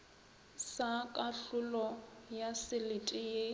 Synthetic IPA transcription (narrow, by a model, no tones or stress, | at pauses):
sakʼaɬʊlɔjasɪlɪtʼɪje